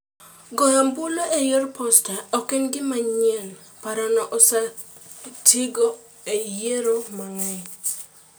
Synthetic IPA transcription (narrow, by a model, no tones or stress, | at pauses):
ɡɔjambuloʔejorpɔstaɔkɪnɡɪmaɲɛn | paɾanɔʔɔsa | tiɡo | ejjeɾomaŋɛj